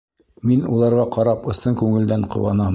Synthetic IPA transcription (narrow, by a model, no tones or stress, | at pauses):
minṵlˠɑɾʁɑqɑɾɑpɤ̆sɤŋkʉŋɘ̆ld̪æɴqŏ̰wɑnɑm